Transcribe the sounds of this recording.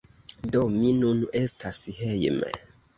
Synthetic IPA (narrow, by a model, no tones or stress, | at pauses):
dominunestʰashejmḛ